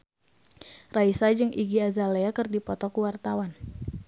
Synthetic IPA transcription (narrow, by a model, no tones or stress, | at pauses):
raisad͡ʒɨŋʔiɡiazaleakərdipɔt̪ɔkuwart̪awan